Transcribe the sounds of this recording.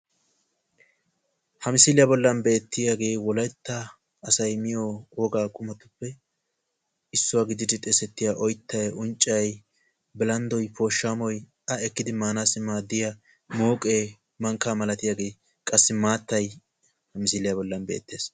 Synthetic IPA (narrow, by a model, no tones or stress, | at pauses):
hɐmɪsɪlɪjabɔlːɐnbe̞ːt̪ːɪjaːɡe̞ːwɔlɐjt̪ːɐː | sɐjmɪjoːoːɡaːkʼʊmɐt̪ʊpːɛ | ɪsːʊwaːɡɪd̪ɪd̪ɪt̪ʼɛsɛt̪ːɪjaʔɔjt̪ːɐjʔʊnt͡ʃʼːɐj | bɪlɐnd̪ɔjpʰoːʃːaːmɔj | ʔɐɛkːɪd̪ɪmaːnaːsɪmaːd̪ɪjɐ | moːkʼeː | mɐŋkːaːmɐlɐt̪ɪjaːɡe̞ː | kʼɐsːɪmaːt̪ːɐj | hɐmɪsɪlɪjabɔlːɐnbe̞̰ːt̪ːe̞ːs